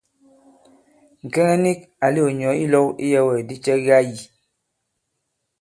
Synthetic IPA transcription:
ŋ̩˨kɛ˦ŋɛ˦ni˦k̚ | a˨li˦o˨ɲ˨ɔ˨˦i˦lɔ˦kḭ˦jɛ˦wɛ˨di˦t͡ʃɛ˦ɣa˦ji˨

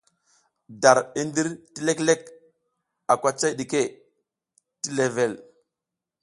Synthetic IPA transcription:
da˨ɾi˦ndi˦ɾti˦le˦kle˦k | a˨kʷa˦t͡sa˦jɗi˨ke˦ | ti˦le˨ve˨l

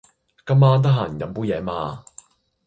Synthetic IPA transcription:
kɐ˥mːaː˥nt̪̬ɐ˥ɦaː˨˩n˨kɐ˨˧˥mpuː˥jɛː˨˧˥ma̰ː˧

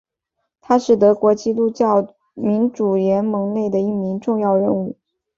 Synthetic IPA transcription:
t̪ʰa˥ʂɻ̩˨˩t̪̬ɤ˧˥kwɔ˧˥t͡ɕi˥˧t̪u˥t͡ɕjɑ˥˩ʊ | mi˧˥nʈ͡ʂu˨˩jɛ˧˥nmɤ˧˥ŋne˥˩ɪd̪ə˩i˥˩mi˧˥ŋʈ͡ʂʊ˥˧ŋjɑ˥˧ʊɻə˥˧nu˥˩

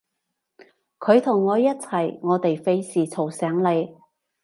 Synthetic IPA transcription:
kʰɵ˨˧ɥt̪ʰʊ˨˩ŋːɔː˨˧jɐ˥t̚t͡sʰɐ˨˩jŋɔː˨˧t̪e˨jfe˧jsiː˨˩t͡sʰo˨˩wsɛː˨˥ŋle˨˧j

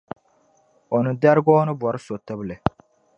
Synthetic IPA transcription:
o˨nɨ˨da˦ɾɡɔː˦nɨ˦bɔ˨ɾɨ˦so˨tɨ˦bɨ˦lɨ˨

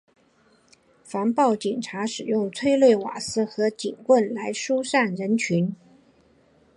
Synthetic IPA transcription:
fa˧˥npɑ˥˩ʊt͡ɕi˨˩nʈ͡ʂʰa˧˥ʂɻ̩˨˩jʊ˥˩ŋt͡sʰwe˥ɪlwe˥˩ɪwa̰˨˩sɹ̩˥˩xɤ˧˥t͡ɕi˨˩nkwə˥˩nla˧˥ɪʂu˥ʂa˥˩nɻə˧˥nt͡ɕʰy˧˥n

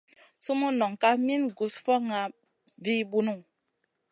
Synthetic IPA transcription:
su˦mu˦nɔ˨ŋka˦mi˦nɡu˨sfɔ˦ŋa˨ | vi˦bu˦nu˦˨

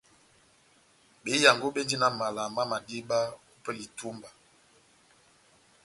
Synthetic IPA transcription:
be˨˦ja˨ŋɡo˦be˦ndi˦na˨ma˨la˨ma˦ma˨di˦ba˦u˦pɛ˦li˨tu˦mba˨

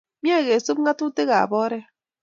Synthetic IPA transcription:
mja˦˨ɣe˨su˦p̚ŋa˦tu˦te˦ɣa̰˨bɔ˦ɾɛ˦

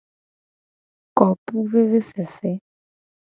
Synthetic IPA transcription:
kɔ˨pu˦ve˦ve˦sɪ˨sɪ˦

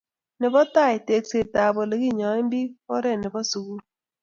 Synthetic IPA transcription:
nɪ˨bɔ˦ta˦˨ɪ˨te˨kse˨ta˨bɔ˨le˨ɡi˦˨ɲɔ˨ɪ˦mbi˦ɔ˦ɾɛ˦˨nɪ˨bɔ˦su˨ɡu˦

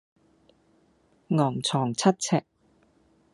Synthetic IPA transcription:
ŋɔː˨˩ŋt͡sʰɔː˨˩ŋt͡sʰɐ˥t̚t͡sʰɛː˧k̚

